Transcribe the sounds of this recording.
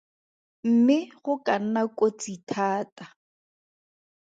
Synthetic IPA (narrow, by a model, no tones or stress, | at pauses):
m̩mɪχʊkan̩nakʼot͡sitʰaːtʼa